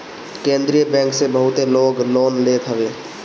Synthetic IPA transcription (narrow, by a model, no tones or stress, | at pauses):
kẽːnd̪ɾijəbɛ̃ːŋksebəɦʊt̪eloːɡloːnleːt̪ʰɦəʋeː